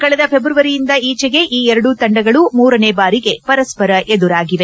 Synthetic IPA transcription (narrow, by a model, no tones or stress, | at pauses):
kɐɭɐd̪ɐpʰebɾuʋɐɾijind̪ɐiːt͡ʃɛɡe̞ʔiːɛɾɐɽut̪ɐɳɖɐɡɐɭumuːɾɐneːbaːɾiɡe̞pɐɾɐspɐɾɐʔed̪uɾaːɡiʋe̞